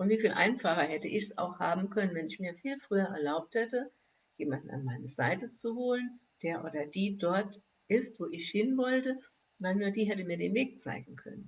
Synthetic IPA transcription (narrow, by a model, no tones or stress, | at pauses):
ʔʊntv̥iːfiːlʔa̰ɪnfaχɐhɛtəʔɪçsa̰ʊxhaːbm̩kʰœnənvɛnɪçmiːɐfiːlfʁ̥yːɐʔɛɐlaʊp̚thɛtə | jeːmandn̩a̰nmaɪnəza̰ɪtət͡suhoːlənd̥eːɐʔoːdɐd̥iːdɔɐt | ʔɪstv̥oːʔɪçhɪnvɔltə | vaɪlnuːɐdiːɦɛtəmiːɐɾḛːnveːk̚t͡sa̰ɪɡŋ̩kʰœ̰nən